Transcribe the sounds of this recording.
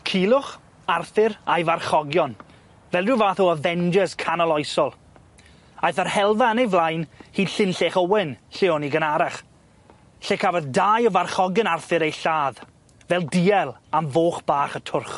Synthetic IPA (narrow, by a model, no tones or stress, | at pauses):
kʰiːlˠʊχ | arθɪɾajvarχɔɡjɔn | vɛlˠdɪwvaːθɔəvɛnd͡ʒəskʰanɔlˠɔjsɔlˠ | ajθərhɛlˠvaənejvlˠajnhiːd̥ɬɪnɬeːχɔwɪnɬɪɔniɡənaɾaχ | ɬekʰavɔðdaːjɔvarχɔɡjənarθɨɾejɬaːð | vɛlˠdiɛlˠamvoːχb̥aːχətʰʊrχ